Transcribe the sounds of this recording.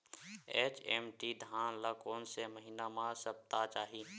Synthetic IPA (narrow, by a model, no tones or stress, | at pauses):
eːt͡ʃeːmʈid̪ʱãːnlakoːnseməɦinamãsəp̚t̪at͡ʃaːɦi